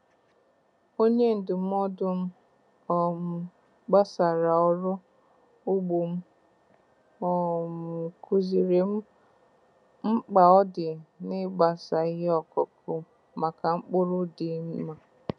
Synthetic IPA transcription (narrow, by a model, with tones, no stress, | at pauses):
o˦ɲe˦n̩˨dɪ˨m̩˦ɔ˦dʊ˦m̩˦ | ɔ˨m̩˨ | ɡ͡ba˦sa˨ɾa˨ɔ˦ɾʊ˦ | ʊ˦ɡ͡bu˨m̩˦ | ɔ˨m̩˨ku˨zi˨ɾe˨m̩˦ | m̩˦k͡pa˨ɔ˦dɪ˨nɪ˦ɡ͡ba˨sa˨i˦ɦe˦ɔ˨kɔ˨kʰʊ˨˦ | ma˨ka˨ŋ͡m̩˦k͡pʊ˦ɾʊ˦dɪ˨˦m̩˦ma˨